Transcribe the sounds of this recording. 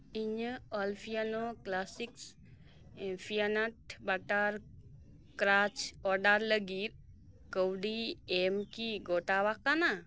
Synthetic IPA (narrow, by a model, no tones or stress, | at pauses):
iɲəɔlfʰijanoklasiks | efʰijanaʈbaʈaɾ | kɾat͡ʃɔɾɖaɾləɡiɾ | kəwɖiemkiɡoʈaʋakana